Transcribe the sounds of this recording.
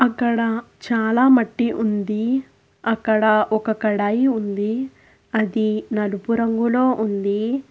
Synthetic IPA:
ɐkːɐɽɐ | t͡ʃaːlaːmɐʈːiʔund̪i | ɐkːɐɽɐʔɔkɐkɐɽaːjiund̪i | ɐd̪inɐlupuɾɐŋɡulo̞ːʔund̪i

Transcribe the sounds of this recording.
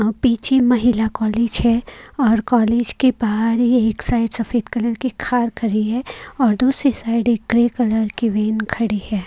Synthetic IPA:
piːt͡ʃʰemɐɦɪlakɔːleːd͡ʒɦɛɔːɾkɔːleːd͡ʒkebaːɦɾɦieːksaːɪɖsɐfeːd̪kɐləɾkikʰaːɾkʰɐɾiɦɛːɔːɾd̪uːsɾisaːɪɖeːk̚ɡɾeːkɐləɾkiʋeːnkʰɐɽihɛː

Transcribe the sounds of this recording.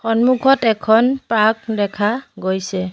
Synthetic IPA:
hɔnmukʰɔtɛkʰɔnpak̚dɛkʰaɡojsɛ

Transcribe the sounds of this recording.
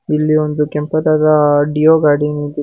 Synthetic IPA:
ilːiond̪ukɛmpɐd̪aːd̪ɐɖijoːɡaːɖinid̪i

